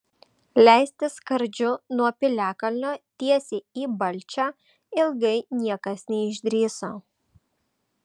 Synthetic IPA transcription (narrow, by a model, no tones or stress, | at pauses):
lʲæˑɪsʲt̪ʲɪskɐɾʲd͡ʒʲʊnuɔpʲɪlʲæːkɐlʲnʲoːt̪ʲiɛsʲeːiːbɐlʲt͡ʃʲæː | ɪlˠɡɐɪnʲiɛkɐsnʲɛɪʒʲd̪ʲɾʲiːsoː